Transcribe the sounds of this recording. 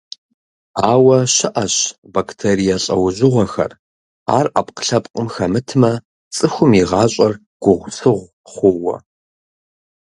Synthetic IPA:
aːwɐʃɪʔɐɕ | bakʰtʰeːɾijɐɬʼɐwʊʑɪʁʷɔxɐ̰r | a̰ːrʔapʼqə̥ɬɐpʼqʼəmxɐmɨtʰɨmɐ | t͡sʼɨxʷʊmiʁɑːɕʼɐr | ɡ̥ʷʊʁʷsɨʁʷ | χʷʊwɐ̰

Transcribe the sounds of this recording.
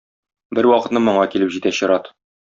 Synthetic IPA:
bɘɾwɒqɤ̆t̪nɤmŏɴɑkilɘpʑit̪æɕɤ̆ɾɑt̪

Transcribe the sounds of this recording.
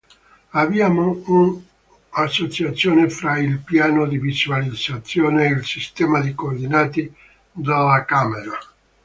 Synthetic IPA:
avjaːmoun | asːot͡ʃat̪sːjoːnefɾailpjaːnod̪ivizwalid̪zat̪sːjoːneilsist̪ɛːmad̪ikoːrd̪inaːt̪i | d̪alakaːmeɾa

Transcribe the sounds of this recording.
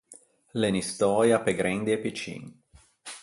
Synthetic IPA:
lenist̪ɔːɾjapeɡɾɛnd̪iepit͡ʃḭːn

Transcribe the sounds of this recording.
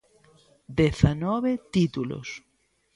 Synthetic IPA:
d̪eθanɔβet̪it̪ulo̰s

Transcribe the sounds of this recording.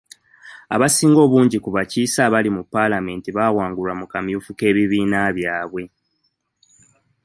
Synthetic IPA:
a̰βasiːŋɡo̞ːβuːɲɟikuβaciːsaβalimupːalame̞ːntiβawaːŋɡulamukamjuːfuke̞ːβiβiːnaβjaːβwe̞

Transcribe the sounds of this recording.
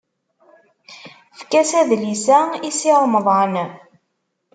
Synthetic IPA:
fkæsæðlisæisiʁməðˤɑn

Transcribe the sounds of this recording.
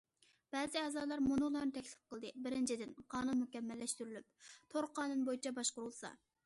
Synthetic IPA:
b̥ɛːzɪɛːzɑːlˠɑɾmunulˠɑnɨt̪ʰɛkʲlɪ̥p̚qəlˠd̪ɨbɪɾɪnt͡ʃʰid̪ɪnqʰɑːnunmukʲɛmːɛlːɛʃt̪yɾylyp̚t̪ʰoɾqʰɑːnunbojit͡ʃʰɛbɑʃqʊɾulˠsɑ̰

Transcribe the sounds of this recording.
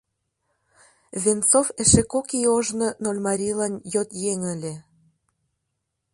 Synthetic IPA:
vʲent͡sofeʃekokioʒnɤ̆nolʲmɑɾʲilɑnjot̪jeŋə̆lʲĕ

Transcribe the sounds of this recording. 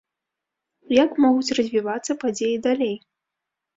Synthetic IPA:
jakmɔɣut͡sʲrɐzʲvʲivat̪sːɐpad͡zʲejid̪alʲej

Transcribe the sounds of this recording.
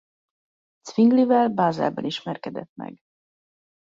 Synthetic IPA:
t̪sviŋɡlivɛlbaːzɛ̰lbɒniʃmɛrkɛd̪ɛt̪mɛ̰ɡ

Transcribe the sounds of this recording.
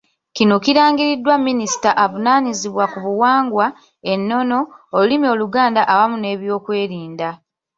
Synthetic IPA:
kino̞kiɾaːŋɡiɾidːwamːinisi̥taʔavunaːniziβwakuβuwaːŋɡwa | e̞nːo̞no̞olulimio̞luɡaːndaʔawamune̞ːβjo̞ːkwe̞ːɾiːnda

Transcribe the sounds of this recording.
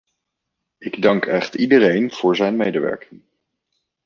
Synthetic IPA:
ɪɡdɑŋkɛχtidərejnv̥ʊːɹzɛjnmejdəʋɛ̰ɹkɪŋ

